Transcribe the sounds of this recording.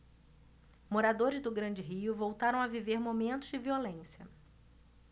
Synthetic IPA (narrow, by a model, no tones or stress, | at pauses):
moɾad̪oɾɪzd̪ʊɡɾɐ̃nd͡ʒɪɦiʊvowt̪aɾɐ̃w̃aviveɾmomẽnt̪ʊzd͡ʒɪviolẽsiɐ